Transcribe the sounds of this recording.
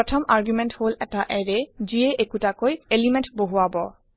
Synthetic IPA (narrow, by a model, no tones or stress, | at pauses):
ɔtʰɔmʔaɹɡjumɛntholɛtaʔɛɹɛziɛʔekutakojelimɛ̃ntboɦuabɔ